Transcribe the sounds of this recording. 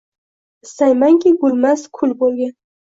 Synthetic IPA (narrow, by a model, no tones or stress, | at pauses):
ɪst̪ajmaŋkʲʰɪɡʊlmaskʰʊlbolˠɡʲan